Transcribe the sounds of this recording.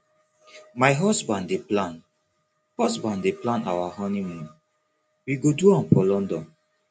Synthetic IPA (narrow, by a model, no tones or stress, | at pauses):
majɦɔsbãndeplãn | hɔsbãnddeplãnawahɔ̃nimũn | wiɡoduɔ̃npɔlɔ̃ndɔ̃n